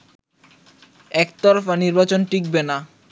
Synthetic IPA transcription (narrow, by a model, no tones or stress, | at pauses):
ɛkt̪ɔɾofaniɾbat͡ɕonʈik̚bena